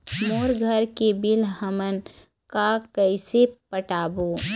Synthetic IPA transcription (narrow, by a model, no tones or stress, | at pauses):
moːɾɡʱəɾkebɪlɦəmən | kakəɪsepəʈaːboː